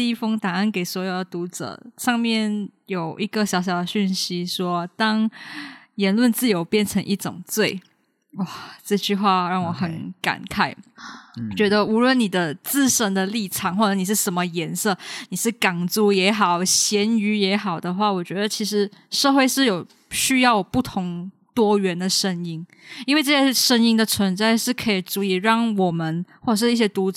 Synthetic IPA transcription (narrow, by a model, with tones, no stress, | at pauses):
i˥fɤ˥ŋt̪a˨˩ŋə˥˩nke˨˩ɪswɔ˧˥jo˨˩ʊd̪ə˩t̪u˧˥ʈ͡ʂɤ̰˧˩˦ʂɑ˥˧ŋmjɛ˥˩njo˨˩ʊʔi˧˥ɡə˧ɕjɑ˨˧˥ʊɕjɑ˨˩ʊd̪ə˦ɕy˥˩nɕi˥ʂwɔ˥t̪ɑ˥ŋ | jɛ˧˥nlwə˥˧nt͡sɹ̩˥˩jo˧˥ʊpjɛ˥˩nʈ͡ʂʰɤ˧˥ŋʔi˥˩ʈ͡ʂʊ̰˨˩ŋt͡swe˥˩ɪ | wɔ˥˨˩ʈ͡ʂɤ˥˧t͡ɕy˥˧xwa˥˧ɻɑ˥˩ŋwɔ˧˩xə˧˥nka̰˨˩nkʰa˥˩ɪ˨˩ | t͡ɕɥɛ˧˥d̪ə˧u˧˥lwə˥˩nni˨˩d̪ə˦t͡sɹ̩˥˧ʂə˥nd̪ə˧li˥˩ʈ͡ʂʰɑ˨˩˦ŋxwɔ˥˩ɤ˧˦ni˨˩ʂɻ̩˥˩ʂə˧˥nmə˧jɛ˧˥nsɤ˥˧ni˨˩ʂɻ̩˥˩ka˨˩ŋt͡su˧˥jɛ˧˥xɑ˨˩ʊɕjɛ˧˥ny˧˥jɛ˧˥xɑ˨˩ʊd̪ə˦xwa˥˩wɔ˨˩t͡ɕɥɛ˧˥d̪ə˧t͡ɕʰi˧˥ʂ̬ɻ̩˧˥ʂɤ˥˧xwe˥˧ɪʂɻ̩˥˩jo˨˩ʊ | ɕy˥jɑ˥˩ʊpu˥˩t̪ʰʊ˧˥ŋt̪wɔ˥ɥɛ˧˥nd̪ə˨ʂə˥ŋi˥n | i˥nwe˥˧ɪʈ͡ʂɤ˥˩ɕjɛ˥˩ʂə˥ŋi˥ŋd̪ə˨t͡sʰwə˧˥nt͡sa˥˧ɪʂɻ̩˥˩kʰɤ˧˥i˨˩t͡su˧˥i˨˩ɻɑ˥˩ŋwɔ˨˩mə˨˦nxwɔ˥˩ə˨˩ʂ̬ɻ̩˧i˥˩ɕ̬jɛ˥t̪u˧˥